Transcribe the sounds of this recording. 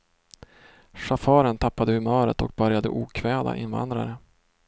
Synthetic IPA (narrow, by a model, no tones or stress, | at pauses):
ʂafɑːɾənt̪ʰapːad̪əhɵmœːɾə̰t̪ɔk̚bœɾjad̪əʔuːkʰvɛːd̪a̰ʔɪ̰nva̰nd̪ɾa̰ɾə